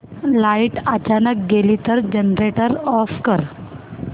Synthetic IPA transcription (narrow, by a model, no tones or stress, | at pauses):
laiʈət͡ɕanək̚ɡeliːt̪əɾd͡ʑənɾeʈəɾɔfkəɾ